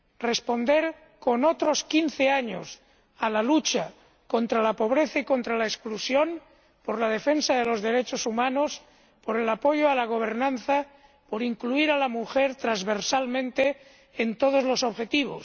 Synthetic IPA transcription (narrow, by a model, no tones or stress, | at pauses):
respo̞nd̪e̞ɾ | ko̞not̪ɾo̞skinθeaɲo̰s | alalut͡ʃa | kont̪ɾalapo̞β̞ɾeθaiko̞nt̪ɾalaesklusjo̞n | poɾlaðe̞fe̞nsaðelo̞zðe̞ɾe̞t͡ʃosumãnos | po̞ɾe̞lapo̞ʝoalaɣ̞o̞β̞e̞ɾnãnθa | po̞ɾiŋkluiɾalamuxeɾt̪ɾazβeɾsalmẽnt̪eː | nt̪o̞ð̞ozlo̞so̞βxe̞t̪iβ̞o̰s